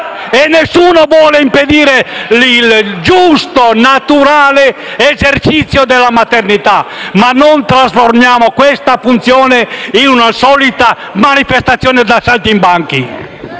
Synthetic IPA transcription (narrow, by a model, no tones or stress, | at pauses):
enːesːuːnovwɔːleimped̪iːɾelild͡ʒust̪onat̪uɾaːle | ezert͡ʃit̪sːjod̪elːamat̪ernit̪amanːont̪ɾasformjaːmokwest̪afunt̪sjɔːneinunasɔːlit̪a | manifest̪at̪sːjɔːned̪asalt̪imbaŋki